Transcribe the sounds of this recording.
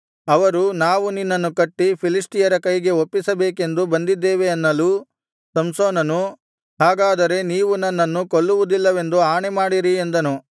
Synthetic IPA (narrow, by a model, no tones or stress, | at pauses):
ɐʋɐɾunaːʋuninːɐnːukɐʈːipʰilisʈijɐɾɐkɐjɡe̞opːisɐbeːke̞nd̪ubɐnd̪id̪ːeːʋeɐnːɐluː | sɐmsoːnɐnu | ɦaːɡaːd̪ɐɾe̞niːʋunɐnːɐnːukoɭːuʋud̪ilːɐʋe̞nd̪uaːɳemaːɽiɾiend̪ɐnu